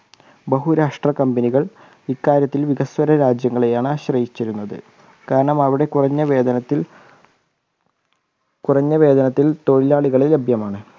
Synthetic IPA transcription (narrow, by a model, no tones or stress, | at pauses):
bɐɦuɾɐʂʈrɐkɐmbɐniɣɐɭ | ikːaːɾjɐt̪ːilʋiɣɐswɐɾɐɾaːd͡ʑjɐŋːɐɭe̞jaːɳɨaɕrɐjit͡ɕːɐɾunːɐðɨ̰ | kaːɾɐɳɐmɐʋiɽe̞kurɐɲːɐʋeːd̪ɐnɐt̪ːi | kurɐɲːɐʋe̞ːd̪ɐnɐt̪ːilt̪o̞ɻilaːɭiɣɐɭilebʱjɐmaːɳɨ